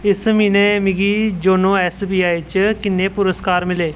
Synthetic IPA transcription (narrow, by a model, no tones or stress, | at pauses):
ɪsmiːneːmɪɡiːd͡ʒoːnõːɛsbiːaːit͡ʃkɪnːeːpʊɾəskaːɾmɪleː